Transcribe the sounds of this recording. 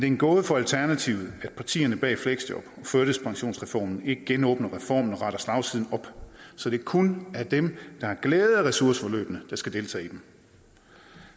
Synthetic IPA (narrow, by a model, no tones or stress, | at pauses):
mend̥e̝enɡ̥ɔ̽ːð̞ˠfɒ̽ælt͡sʰæɐnæt͡sʰiʊð̩ˠæd̥̚pʰɑ̈t͡sʰḭːɐnəb̥ɛ̰ːfleɡ̥sd̥ɒ̽b̥ɒ̽føɐɾ̥əspʰɑ̈ŋɕo̝̰ːnsʁɛfɒ̰ːmn̩e̝ɡ̥əɡ̥enɔ̽ːb̥nɐʁɛfɒ̰ːmn̩ɒ̽ʁɑ̈ɾ̥ɐslɑ̈ʊsʰiðˠn̩ɒ̽b̥sɒ̽d̥e̝kʰunæɐd̥emd̥ɑ̈hæɡ̥leːð̩ˠʁɛsuɐsə̥fɒ̽lø̰ːb̥ənəd̥ɑ̈sɡ̥æd̥e̝lt͡sʰɛ̰ːid̥em